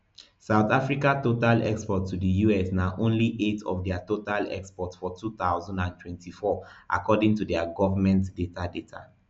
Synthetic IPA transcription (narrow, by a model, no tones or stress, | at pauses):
saʊt̪afɹikatotalɛ̰kspɔtʰːudəjuɛsnaʔõnliʔetʰɔ̰fdɛatotalɛ̰kspɔtsfɔtʰut̪aʊzɔ̃ndãntʰwɛ̃ntʰifɔʔa̰kɔdĩŋtudɛaɡɔvamɛ̃ntdetʰadetʰa̰